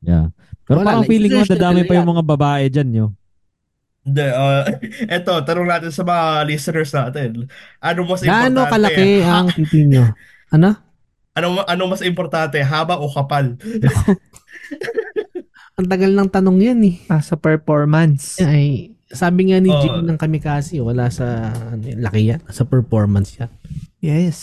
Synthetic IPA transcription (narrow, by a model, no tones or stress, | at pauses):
ja̰ | pɛːɾopaːɾɐŋfiːlɪŋomɐd̪aːd̪aːmɪnpɐjʊŋmɐŋabɐbaːʔɛd͡ʒanɲo | nd̪ɛʔoʔɛt̪o̞t̪ɐnoŋnaːt̪ɪnsɐmɐŋalisɪnɛɹsnaːt̪ɛn | ʔɐnomɐsanokɐlɐkɛʔɐŋt̪iːt̪ɪɲo | ʔɐno̞ | ʔɐnoʔɐnomɐsɪmpoɾt̪ant̪ɛɦaːbɐokɐpalnɐko | ʔɐŋt̪ɐɡɐlnɐŋt̪ɐnoŋjanɛasɐpɛɹpoɹmɐnsɐj | saːbɪŋanid͡ʒɛinɐŋkɐmɛkaːsiwɐlaːsɐʔɐnolɐkɪjansɐpɛɹfo̞ɹmɐnsjanjɛs